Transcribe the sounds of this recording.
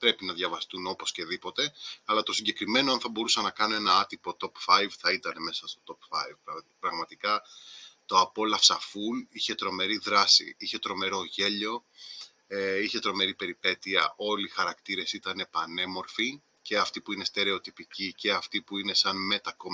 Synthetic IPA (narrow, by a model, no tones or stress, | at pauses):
pɾe̞pinɐðʝɐvɐst̪uno̞po̞sce̞ðipo̞t̪e̞ɐlɐt̪o̞siɲɟe̞kɾime̞noɐnθɐbo̞ɾusɐnɐkɐnunenɐɐt̪ipo̞t̪o̞pfɐjvθɐit̪ɐne̞me̞sɐst̪o̞t̪o̞pfɐ̰jvpɾɐɣmɐt̪ikɐt̪o̞ɐpo̞lɐfsɐfuliçe̞t̪ɾo̞me̞ɾiðɾɐsḭiçe̞t̪ɾo̞me̞ɾo̞ʝe̞ʎo̞ | eiçe̞t̪ɾo̞me̞ɾipe̞ɾipe̞t̪iɐ̰ʔo̞lixɐɾɐkt̪iɾe̞sit̪ɐne̞pɐne̞mo̞ɾfi | ce̞ɐft̪ipuine̞st̪e̞ɾe̞o̞t̪ipicice̞ɐft̪ipuine̞sɐnme̞t̪ɐko